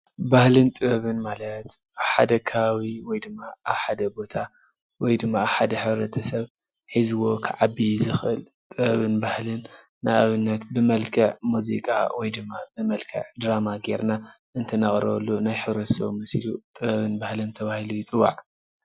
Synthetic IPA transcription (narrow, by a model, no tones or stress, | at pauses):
bahlɨnt̪ʼɨβɐβɨnmalɐt̪ʔaβħad̪ɐkʰaβawiwɔjd̪ɨmːaaβħad̪ɐbo̞t̪ʰa | wɔjd̪ɨmːaaβħad̪ɐħɨβɾɐt̪ʰɐsɐβ | ħizɨwo̞kʰɨʕabizɨxʔɨl | t̪ʼɨβɐβɨnbahlɨnː | aʔaβɨnːɐt̪bɨmɐlkʰɐʕmuzḭkʼa̰wʔɔjd̪ɨmːa̰bɨmɐlkʰɐ̰ʕd̪ɾamaɡḛɾna | ʔɨnt̪ʰɐnaχʼɾlːunajħɨβɾɐt̪ʰsɐ̰βmɨslṵt̪ʼɨβɐβɨnbahlɨnt̪ʰɐβahilujɪt͡sʼɨwa̰ʕ